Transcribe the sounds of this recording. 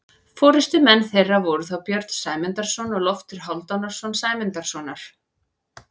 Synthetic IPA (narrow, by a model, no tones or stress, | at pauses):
fɔːɾɪst̪ʏmɛnːθejrːavɔɾʏθawpjœɾt̪n̥saːjmɛnt̪aɾ̥sɔnɔɣlɔft̪ɪɾ̥ɦawlt̪awnaɾ̥sɔnsaːjmɪnt̪aɾ̥sɔnaɾ̥